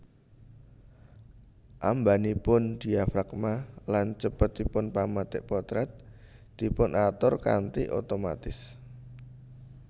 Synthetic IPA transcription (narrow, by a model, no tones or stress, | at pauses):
ʔambanipʊnd̪̥i̤afɾakmalant͡ʃəpət̪ipʊnpamat̪ɪʔpɔt̪ɾɛt̪̚ | d̪̥i̤pʊnʔat̪ɔrka̰nt̪iʔo̰t̪oma̰t̪ɪs